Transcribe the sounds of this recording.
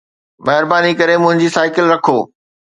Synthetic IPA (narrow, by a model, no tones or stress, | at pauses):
mɛɦɪɾbaːnikɐɾemʊ̃ɦɪ̃ɲd͡ʑiːsaːɪkɪlɾɐkʰoː